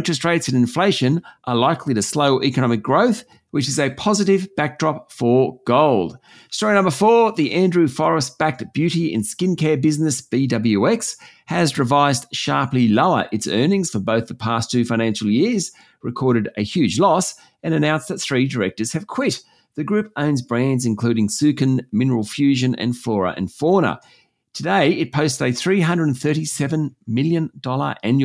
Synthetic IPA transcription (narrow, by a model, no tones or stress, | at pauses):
ɪ̃nt͡ʃɹ̥ɨstɹeɪtsɨ̃nɨ̃nfleɪʃɨ̃nʔə˞laɪkʰliɾɨsloʊʔɛkɨnɑmɨk̚ɡ̥ɹoʊθ | wɨt͡ʃɨzɨpʰɑzɨɾɪvbæk̚d̥ɹɑpfə˞ɡ̥oʊlˠd̥ | stɔɹinʌ̃mbə˞fɔɹðiʔæ̃ndɹʉfɔɹɨst̚b̥æk̚tb̥jʉɾiɪ̰̃nskɪ̃nkʰɛɹbɪznɨsb̥idʌbl̩ˠjʉɛks | hɨzɹɨvaɪzdʃɑɹpliloʊə̰˞ʔɨtsɜ˞nɪ̃ŋz̥fə˞boʊθðəpʰæstʰʉfãɪ̃næ̃nʃl̩ˠjɪɹz̥ | ɹɨkʰɔɹɾɨɾɨhjʉd͡ʒlɔs | ɨ̃ñɨnãʊ̃nsðɨt̪̚θɹidə˞ɛk̚tə˞z̥ɨv̥kʰw̥ɪt | ðɨɡɹʉp̚õʊ̃nzbɹæ̃ndzɨ̃nkʰl̥ʉɾɪ̃ŋsʉkɨ̃nmɪ̃nə˞l̩ˠfjʉʒɨ̃nɨ̰̃nflɔɹə̰ʔɨ̰̃nfɔɹnə̰ | tʰɨdeɪɪt̚pʰoʊstsɨɪθɹiɦʌ̃ndɹɨdn̩θɜ˞ɾisɛvɨ̃nmɪlˠjɨ̃ndɔlˠə̰˞ʔæ̃nj